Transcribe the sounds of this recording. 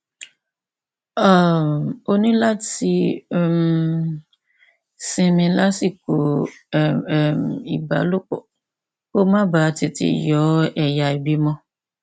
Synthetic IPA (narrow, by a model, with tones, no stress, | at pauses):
a˦˨mo˦nĩ˦la˦ti˧˨m | sĩ˧mĩ˧la˦si˦˨ko˨ | mḭ˨ba̰˨˦lu˦k͡pɔ̰˨ | ko˦mã˦baː˨˦ti˨tḭ˨jɔ˨˦ɛ˨ja˨i˨bi˦mɔ̃˦